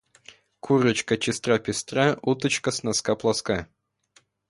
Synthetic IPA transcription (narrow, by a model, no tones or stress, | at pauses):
kʰurət͡ɕkət͡ɕɪst̪rapʲɪst̪rɑut̪ə̆t͡ɕkəsnaskɑplˠɑskɑ